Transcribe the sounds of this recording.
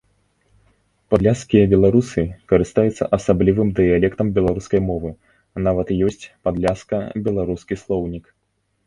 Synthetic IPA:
pad̪lʲaskʲijɐbʲɛlˠaɾusɨkɐɾɨst̪ajut̪sːɐ̰ʔɐsablʲivɨmd̪ɨjalʲɛkt̪ɐmbʲɛlˠaɾuskɐjmɔvɨ | navɐt̪jɔsʲt͡sʲpad̪lʲaskɐbʲɛlˠaɾuskʲislˠɔwnʲik

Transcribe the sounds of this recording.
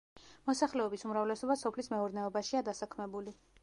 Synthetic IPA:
mɔsaχlɛɔbisumɾavlɛsɔbasɔpʰlismɛɔɾdnɛɔbaʃiad̪asakʰmɛbuli

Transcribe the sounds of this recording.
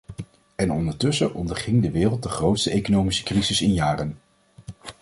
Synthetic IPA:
ɛnɔndəɹtʏsəʔɔndəɹχɪŋdəʋɪːrəlˠt̚dəχrowtstəejkonowmisə̥krizɪsɪnjaːrən

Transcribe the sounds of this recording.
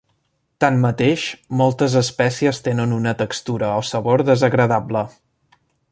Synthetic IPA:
t̪ammət̪eʃmɔlˠt̪əzəspɛsiəst̪enənunət̪əkst̪uɾəɔsəβoɾðəzəɣɾəðablə

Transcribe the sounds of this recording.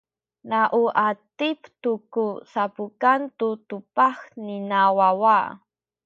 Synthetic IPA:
naʔuʔat̪ipt̪ukusapukant̪ut̪upaxninawawa

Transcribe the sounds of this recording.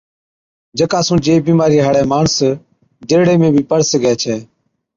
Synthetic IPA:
d͡ʒəkaːsũːd͡ʒeːbiːmaːɾiːɦaːɽɛːmaːɳs | d͡ʒ̪eːɽeːmẽːbʱiːpəɾsəɡɛːt͡ʃʰɛː

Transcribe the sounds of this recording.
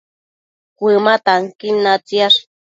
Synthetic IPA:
kʷɨmat̪aŋkinːat͡siaʂ

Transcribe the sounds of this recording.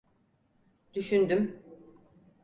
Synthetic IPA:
d̪̥yʃynd̪ym

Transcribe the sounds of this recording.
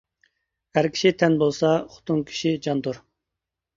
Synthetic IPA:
hæɾkʲʰi̥ʃit̪ʰɛnbolˠsɑχʊ̥t̪ʰuŋkʲʰi̥ʃid͡ʒɑnd̪uɾ

